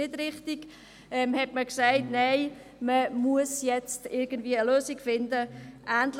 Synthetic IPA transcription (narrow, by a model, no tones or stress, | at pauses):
ɪdɾɪχtiɡ̥ | ʔɛmhɛtməksaɪtnaɪ | məmuəsjɛt͡stɪɾɡ̥ən̩dviːəəløːsiɡfɪndəʔæːntl